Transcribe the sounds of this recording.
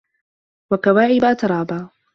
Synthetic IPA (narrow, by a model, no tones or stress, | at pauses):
wakawaːʕɪbaːt̪ɑɾˤɑːbaː